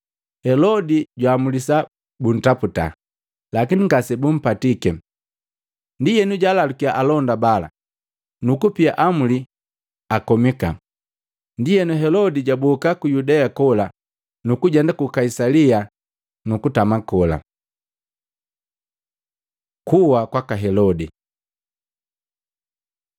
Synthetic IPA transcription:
hɛlɔdiɟwaːmulisa | bun̩taputa̰ | lakiniŋɡasɛbum̩patikɛ | ndijɛnuɟaːlalukiaʔalɔndabala̰ | nukupiaʔamuli | akɔmika̰ | ndijɛnuɦɛlɔdiɟabukakujudɛakɔla | nukuɟɛndakukaisalia | nukutamakɔla̰ | kʰuwakwakaɦɛlɔdi

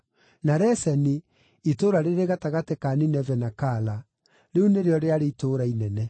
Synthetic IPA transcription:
naɾɛsɛni | itoːɾaɾeɾeɣataɣatekaːninɛvɛnakaːla | ɾeuneɾeɔɾeaɾeitoːɾainɛnɛ

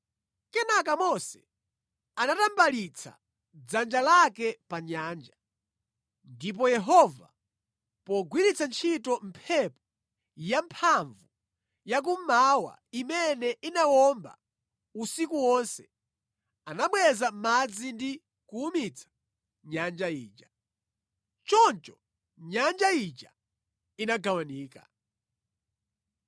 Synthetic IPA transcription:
kɛnak̬amɔsɛ̥ | kanatambalit͡sʰa̰ | d͡zand͡ʒalakɛpaɲaːnd͡ʒa | ndip̬ɔjɛɦɔva̰ | pɔɡwiɾit͡sant͡ʃʰitɔm̩pʰɛpɔ̥ | jampʰaɱvu | jak̬umawa̰imɛnɛʔinawɔmba̰ | usikuwɔnsɛ̥ | anaɓwɛzam̩mad͡zindi | kuumit͡sʰḁ | ɲand͡ʒaḭːt͡ʃa | t͡ʃɔnt͡ʃɔ̥ | ɲand͡ʒait͡ʃa | inaɡawaniːka̰

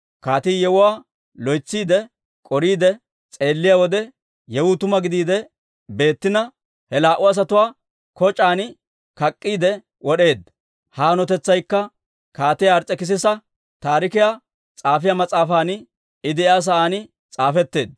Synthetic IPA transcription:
kaːt̪iːjɛwʊwaː | lɔjt͡sːiːd̪ɛ | kʼɔɾiːd̪ɛ | t͡sʼe̞ːlːɪjawɔd̪ɛ | jɛwʊt̪ʊmɐɡɪd̪iːd̪ɛ | be̞ːt̪ːɪnɐ | hɛlaːʔʊɐs̬ɐt̪ʊwaː | kɔt͡ʃʼaːnɪ | kɐkʼːiːd̪ɛ | wɔɗe̞ːd̪ | haːnɔt̪ɛt͡sːɐjkːɐ | kaːt̪ɪjaːɾt͡sʼɛkɪs̬ɪsɐ | t̪aːɾɪkɪja | t͡sʼaːfɪjamɐt͡sʼaːfaːn | ɪd̪ɪaːs̬ɐʔaːnɪ | t͡sʼaːfɛt̪ːe̞ːd̪̚

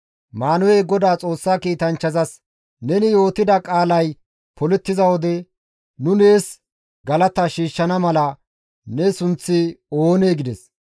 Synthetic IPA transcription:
maːnʊwɛjɡɔd̪aːt͡sʼo̞ːsːaːkiːt̪ɐnt͡ʃːɐzɐs | nɛnɪjo̞ːt̪ɪd̪ɐkʼaːlɐj | pʰɔlɛt̪ːɪzɐwɔd̪ɛ | nʊneːs | ɡɐlɐt̪ɐʃiːʃːɐnɐmɐlɐ | nɛsʊnt͡sːɪoːneːɡɪd̪ɛs

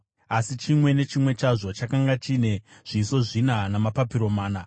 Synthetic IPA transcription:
asit͡ʃimwe̞ne̞t͡ʃimwe̞t͡ʃaʐot͡ʃakaŋɡat͡ʃine̞ʐ̥iːso̞ʐinanamapapiɾo̞maːna

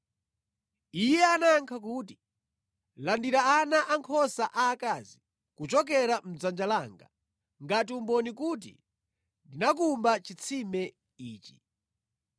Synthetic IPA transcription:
ijɛanaŋkʰakuːti | landiɾaanaʔaŋkʰɔsaʔaːkazi | kut͡ʃɔk̬ɛɾam̩d͡zand͡ʒalaːŋɡa̰ | ŋɡat̬iumbɔnikuːt̬ḭ | ndinakumbat͡ʃit͡sʰimɛ | iːt͡ʃi̥

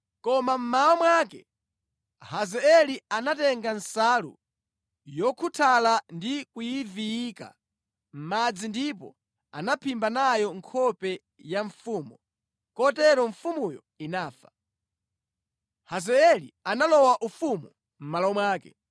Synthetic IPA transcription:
kɔmam̩maɔmwakɛ | hazɛɛlianatɛŋɡansalṵ | jɔkʰutʰalandikujivijika̰ | m̩mad͡zindipɔ̰ | a̰napʰimbanajɔŋkʰɔpɛ | jaɱfuːmɔ | kɔtɛɾɔɱ̩fumujɔ̰ | inaːfa | hazɛɛlḭanalɔwaʔufumṵ | m̩malɔwɔmwaːkɛ

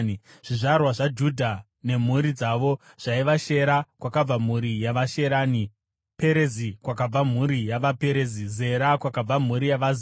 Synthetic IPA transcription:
ʐ̥iʐarwaʐad͡ʒudʱa | ne̞m̤uɾid͡zaʋo̞ | ʐ̥aiʋaʃe̞ɾakwakab͡vam̤uɾijaʋaʃe̞ɾaːni | pe̞ɾezikwakab͡vam̤uɾijaʋape̞ɾezize̞ɾakwakab͡vam̤uɾijaʋaz

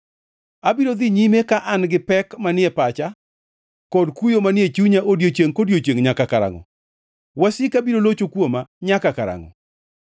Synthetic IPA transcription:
abiɾod̪iɲimekaʔanɡɪpɛkmanɪɛpat͡ʃa | kɔdkujomanɪjet͡ʃuɲaʔodjot͡ʃeŋkodjot͡ʃeŋɲakakaɾa̰ŋɔ̰ | wasɪkabiɾolot͡ʃokwomaɲakakaɾa̰ŋɔ̰

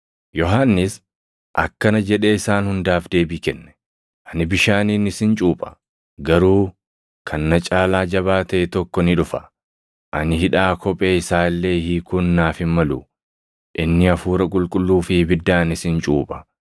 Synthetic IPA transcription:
jɔɦaːnːɪs | ʔɐ̰kːɐnɐd͡ʒɛᶑe̞ːɪsaːnhʊnd̪aːfd̪e̞ːbiːkɛnːɛ̥ | ʔɐnɪbɪʃaːniːnɪsɪnt͡ʃʼuːpʼɐ̥ | ɡɐɾuː | kʰɐnːɐt͡ʃʼaːlaːd͡ʒɐβaːt̪ɐʔɛt̪ɔkːɔnɪᶑʊfɐ̥ | ʔɐnɪɦɪᶑaːkʰɔpʼe̞ːɪsaːɪlːe̞ːhiːkʰʊnːaːfɪnmɐlu | ʔɪnːɪɐfuːɾɐkʼʊlkʼʊlːuːfɪbɪd̪ːaːnɪsɪnt͡ʃʼuːpʼɐ̥

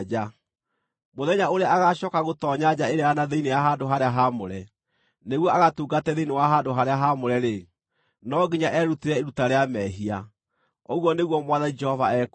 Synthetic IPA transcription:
d͡ʒa | moðɛɲaoɾeaʔaɣaɕɔkaɣotɔːɲad͡ʑaeɾeanaðeinejaɦaːndoɦaɾeaɦamoɾɛ | neɣwɔaɣatuːɡatɛðeinewaɦaːndoɦaɾeaɦamoɾɛɾe | nɔɡiɲaʔɛɾuteɾɛeɾutaɾeamɛɦia | oɣwɔneɣwɔmwaðanid͡ʒɛhɔvaɛːku

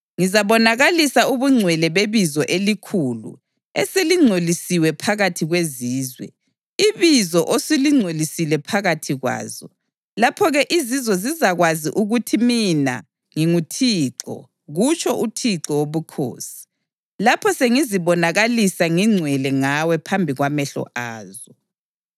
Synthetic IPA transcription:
ŋizaβɔnaɣalisauβuŋ͡ǀʱwɛlɛβeβizɔʔelikʰuːlṵ | eseliŋ͡ǀʱolisiwɛpʰaɣatʰiɣweziːzwɛ̰ | iβizɔʔoseliŋ͡ǀʱolisilɛpʰaɣatʰiɣwa̰ːzɔ | lapʰɔɣɛʔizizɔzizaɣwaziʔuɣutʰimina̰ | ŋiŋutʰiːǁɔ̰ | ɣut͡ʃʰʼɔʔutʰiǁɔwoβukʰo̰ːsi̥ | lapʰɔseŋiziβɔnaɣalisaŋiŋ͡ǀʱwɛlɛŋawɛpʰambʱiɣwamɛɬɔ̰ʔaːzɔ

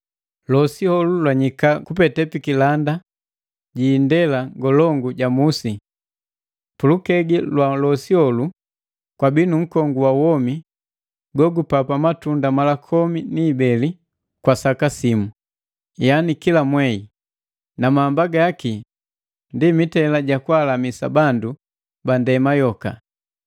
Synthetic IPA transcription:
lɔsihɔlulwaɲikakupɛtɛpikilanda | ɟiːndɛlaɡɔlɔŋɡuɟamusi | pulukɛɡilwalɔsihɔlu | kwabinuŋ̩kɔŋɡuwawɔmi | ɡɔɡupapamatundamalakʰɔminiːbɛli | kwasakasimu | janikilamwɛi | namaːmbaɡajaki | ndimitɛlaɟakwalamisa̰bandu | bandɛmajɔka̰

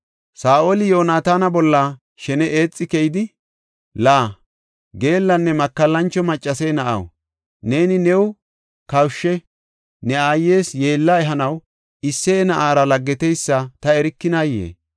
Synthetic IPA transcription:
saːʔolɪjo̞ːnaːt̪aːnɐbɔlːɐ | ʃɛnɛʔeːt͡sʼːɪkɛjɪd̪ɪ | laː | ɡe̞ːlːɐnːɛmɐkːɐlːɐnt͡ʃːɔmɐt͡ʃʼːɐsɛnɐʔɐ̰w | ne̞ːnɪnɛw | kɐwʃːɛ | nɛaːje̞ːsje̞ːlːɐɛɦɐnɐw | ɪsːɛːnɐʔaːɾɐlɐɡːɛt̪ɛjsːɐt̪ɐɛɾɪkːɪnaːjḛː

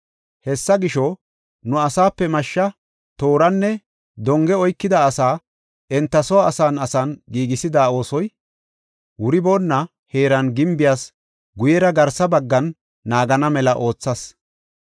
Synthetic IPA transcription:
hɛsːɐɡɪʃɔ | nʊɐsaːpːɛmɐʃːɐ | t̪o̞ːɾɐnːɛ | d̪ɔŋɡɛɔjkːɪd̪ɐːsaː | ɛnt̪ːɐsɔwaːsaːnɐsɐnɡiːɡɪsɪd̪aːo̞ːsɔj | wʊɾɪboːnːɐ | he̞ːɾɐnɡɪmbɪjaːs | ɡʊjɛɾɐɡɐɾsɐbɐɡːɐnː | aːɡɐnɐmɛlɐʔo̞ːt͡sːɐs

